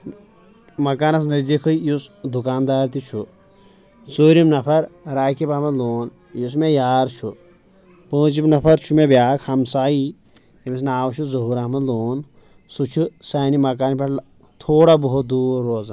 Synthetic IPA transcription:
mɐkaːnɐs̬nɐzikʰɨjusd̪ukaːnd̪aːɾt̪it͡ʃʰu | t͡soːɾimnɐpʰɐɾɾaːkipaːmɐnloːn | jus̬mejaːɾt͡ʃʰu | põːt͡ʃimnɐpʰɐɾt͡ʃʰumebʲjaːkhɐmsaːi | jemis̬naːwt͡ʃʰuzɐɦuɾaːmɐnloːn | sut͡ʃʰusaːnimɐkaːnpɐʈl | t̪ʰoːɽaboɦut̪̚d̪uːɾːoːza

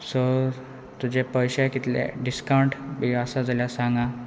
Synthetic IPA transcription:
so | t̪ud͡ʑepəjɕakit̪lḛɖiskawɳʈʋiəsad͡zaljasãŋɡa

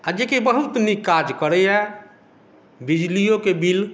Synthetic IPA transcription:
ad͡ʒekebəɦut̪nikad͡ʒkəɾɛɛ | bid͡ʒlijõkebil

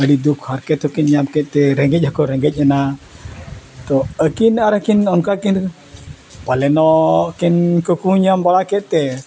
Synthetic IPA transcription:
əɽid̪ukhaɾkɛt̪ɔkinɲamkɛt̪̚t̪ɛɾɛ̃ŋɡɛc̚ˀhakɔɾɛŋɡɛc̚ˀana | t̪ɔəkinaɾakinɔnkakin | palɛnɔkinkəkuɲambaɽakɛt̪̚ˀt̪ɛ

